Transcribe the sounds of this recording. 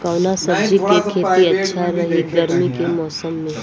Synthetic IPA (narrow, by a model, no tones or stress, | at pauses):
kəʊnasɐbd͡ʒikekʰeːt̪iɐtːʃʰaɾɐɦiɡɐɾmikemɔːsəmːẽ